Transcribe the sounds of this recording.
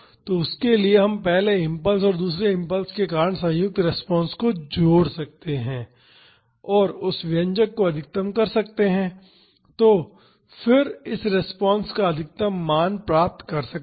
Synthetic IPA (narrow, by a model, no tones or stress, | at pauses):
t̪oʊskelieɦɐ̃mpɛɦleɪ̃mpəls̬ɔːɾd̪uːs̬ɾeɪ̃mpəlskekaːɾəɳ̃sɐ̃ɦjʊk̚t̪ɾɛspɔ̃ːnskod͡ʒoːɽsɐk̚t̪eɦɛ̃ː | ɔːɾʊsʋɪə̃ɲd͡ʒəkːoɐd̪ʱɪk̚t̪əmkɐɾsɐkt̪eɦɛ̃ | t̪oː | fɪɾɪsɾɛspɔ̃ːnskaɐd̪ʱɪk̚t̪əmːaːnpɾaːp̚t̪kɐɾsɐk̚